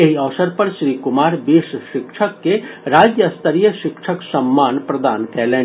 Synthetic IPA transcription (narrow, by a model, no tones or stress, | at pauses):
eɦiɐʋsəɾpɐɾʃɾiːkʊmaːɾbiːʃʃɪkʃʰəkːeɾaːd͡ʒjəst̪əɾijəʃɪkʃʰəksɐmːaːnpɾɐd̪aːnkɛːlẽː